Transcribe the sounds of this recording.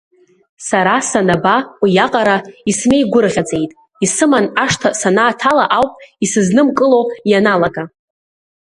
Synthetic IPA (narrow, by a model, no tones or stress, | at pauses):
saɾasanabaijaqʼaɾaisne̞jɡʷʊrʁʲad͡zʼe̞jtʼ | isɨmanaʂtʰasanaːtʰalaʔawpʼisɨznɨmkʼɨlojanalaɡa